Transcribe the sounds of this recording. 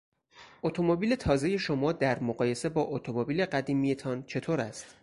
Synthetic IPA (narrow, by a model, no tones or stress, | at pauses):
ʔot̪ʰomobiːle̞t̪ʰɒːze̞je̞ʃo̞mɒːd̪æɾmoɢɒːje̞se̞bɒːʔot̪ʰomobiːle̞ɢæd̪iːmije̞t̪ʰɒːnt͡ʃʰe̞t̪ʰoːɾæst̪